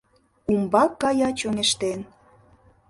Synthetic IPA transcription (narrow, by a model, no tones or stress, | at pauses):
umbɑkːɑjɑt͡ɕoŋeʃt̪en